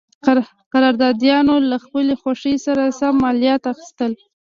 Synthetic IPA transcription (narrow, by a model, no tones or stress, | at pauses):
qaɾɑɾd̪ɑd̪jɑnolaxpəlexwaʂəsaɾasamːɑlijat̪axi̥st̪əl